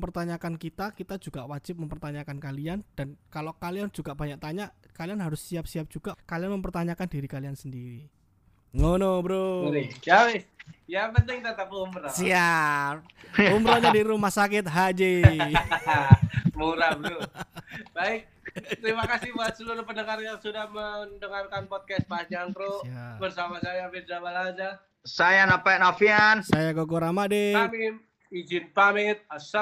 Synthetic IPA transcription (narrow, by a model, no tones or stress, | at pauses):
mpərt̪aɲakankit̪akit̪ad͡ʒuɡawad͡ʒɪp̚məmpərt̪aɲakankaliand̥ankalokaliand͡ʒuɡabaɲak̚t̪aɲakalianɦaɾʊsiap̚siap̚d͡ʒ̥uɡ̥akalianməmpərt̪aɲakandiɾikaliansəndiɾi | ŋonobəɾud͡ʒawɪjapənt̪ɪŋt̪at̪apuumɾasiap̚umbɾaɲadiɾumahsakɪt̪̚ɦad͡ʒi | muɾablu | baɪk̚ | t̪əɾimakasɪhbuat̪̚səluɾupəndəŋarjaŋsudahməndəŋarkanpɔt̪̚kɛst̪̚paɲd͡ʒant̪ɾubərsamasajaːbɪrd͡ʒabalad͡ʒa | sajanapanafiansajakokuɾamadɪmɪn | id͡ʒɪnpamɪt̪̚asa